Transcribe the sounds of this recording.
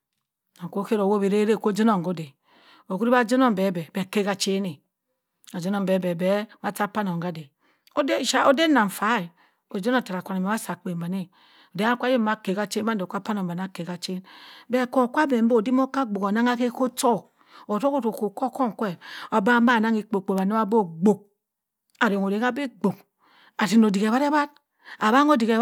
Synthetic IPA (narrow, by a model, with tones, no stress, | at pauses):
na˨ko˦ke˦ɾo˨wo˦bi˨ɾe˦ɾe˦˨ko˦d͡ʒo˦no˦˨ŋɡo˦de˨ | o˨ku˦ɾi˦a˦d͡ʒi˦no˦m˨be˨˦bɛ˨be˨ke˦ka˨t͡ʃe˦ne˨ | a˨d͡ʒo˦no˦˨mbe˨˦be˨be˨˦ma˨˦ta˦pa˦no˨ŋ˨ɡa˦de˨ | o˦de˦˨ʃa˦o˦de˦na˨ɱ˨fa˨˦i˨ | o˨d͡ʒo˦no˦˨ta˨ɾa˨kʷa˨ne˨me˨˦a˦sa˨k͡pe˨mba˨ne˦ | o˨de˦a˦kʷa˦e˦ma˨ke˨ka˦t͡ʃe˦n˦a˦n˨e˨kʷa˦pa˦no˨mba˨na˦ke˨ka˨t͡ʃe˦n˦be˦˨ko˨kʷa˦be˨m̩˦o˦˨di˦mo˦ka˦ɡ͡bo˨ko˨na˦ŋa˦ke˦ko˦to˦˨ | o˨to˦ko˦to˨ko˨ko˦ko˦ŋ˨kʷe˦o˨ba˦m˦a˦˨na˦ŋi˦˨k͡po˨k͡po˨ba˨ne˦a˦bo˦ɡ͡bo˨k̚ | a˨ɾo˨ŋo˨ɾe˨ŋa˦be˦ɡ͡bo˨k̚ | a˨ti˦˨no˨di˨ke˨βa˦ɾa˦ba˦t̚ | a˨ba˦ŋo˦di˨ke˨˦